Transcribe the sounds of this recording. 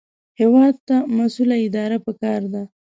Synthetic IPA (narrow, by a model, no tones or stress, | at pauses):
hewɑd̪̚t̪amasulaɪd̪ɑɾapəkɑɾd̪a